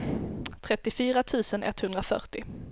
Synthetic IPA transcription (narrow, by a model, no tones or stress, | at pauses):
t̪ʰɾɛt̪ːɪfyːɾat̪ʰʉ̟ːsənʔɛ̰t̪hɵnd̪ɾafœ̰ʈɪ